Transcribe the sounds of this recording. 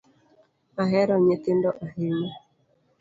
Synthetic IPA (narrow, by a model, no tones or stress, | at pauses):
aɦɛɾɔɲet̪ɪndɔʔaheme